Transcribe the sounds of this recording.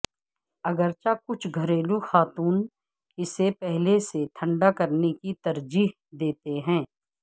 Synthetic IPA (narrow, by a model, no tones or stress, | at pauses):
ɐɡəɾt͡ʃakʊt͡ʃʰɡʱɐɾeːluxaːt̪uːn | ɪsepɛɦleset̪ʰɐ̃ɳɖakɐɾnekit̪ɐɾd͡ʒiːɦ | d̪eːt̪eɦɛ̃ː